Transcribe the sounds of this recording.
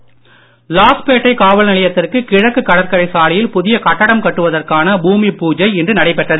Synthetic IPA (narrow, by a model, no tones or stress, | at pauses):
laːspeːʈːɐɪkaːʋɐlnɐɭɐjɐt̪ːɪrkɯkɪɻɐkːɯkːɐɽɐɾkɐɾɐɪsaːlɪjɪlpʊðɪjɐkɐʈːɐɽɐmkɐʈːɯʋɐðɐrkaːnɐbuːmipuːd͡ʒɐɪɛndrɯnɐɽɐɪpɛʈrɐðɯ